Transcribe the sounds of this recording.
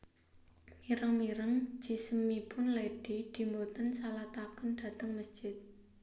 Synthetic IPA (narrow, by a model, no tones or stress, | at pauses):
miɾəŋmiɾəŋ̥d͡ʒ̥i̤səmipʊnleɖ̥id̪̥i̤mbot̪ənsalat̪akənɖ̥ä̤t̪əŋməsd̥d͡ʒ̥ɪt̪̚